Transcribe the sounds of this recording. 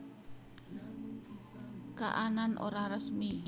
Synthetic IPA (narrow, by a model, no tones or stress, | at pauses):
ka̰ʔananʔoɾahrəsmi